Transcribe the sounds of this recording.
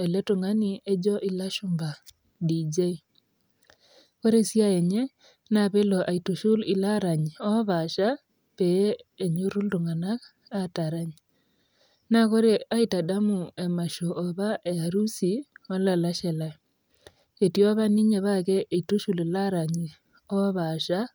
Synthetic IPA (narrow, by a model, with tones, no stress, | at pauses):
e˨le˦tʊ˨ŋa˦ni˦e˦d͡ʒɔ˦ʔi˦la˦ʃu˦mba˨ | did͡ʒe˦i | ko˦ɾe˦sja˦e˨ɲe˦ | naβe˦lɔ˨ʔa˨i˨tu˨ʃu˦li˨la˦ɾa˨ɲi˨ɔ˦βa˨ʃa˦ | pe˦e˨ɲu˦ɾu˦ltu˨ŋa˨na˦k | a˦ta˨ɾa˦ɲi | naɣo˦ɾe˦a˦ita˨da˦mu˨e˨ma˨ʃo˨ʔːβa˦ʔe˨a˨ɾu˦si˨o˦la˨la˦ʃe˨la | e˨tio˦βa˦ni˦ɲeβaɣe˦ʔːitu˦ʃu˨lilaɾa˨ɲi˨ | o˦βaʃa